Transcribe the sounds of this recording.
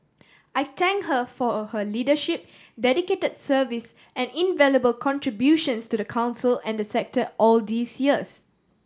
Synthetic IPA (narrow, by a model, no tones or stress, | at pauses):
ʔaɪt̪ʰɛ̃ŋkhəfɔhəlidəʃip̚ | dɛdiketədsəvis | ʔɛ̃nĩnvɛləbəlkʰɔ̃ntɹibjuʃə̃nstudəkʰãʊ̃nsəlɛ̃ndəsɛk̚tʰəʔɔld̪iːsjiəs